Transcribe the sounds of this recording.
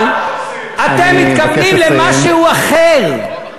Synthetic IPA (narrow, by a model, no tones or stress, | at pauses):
l | ʔat̪emːit̪kablimlemaʃehuaχeʁ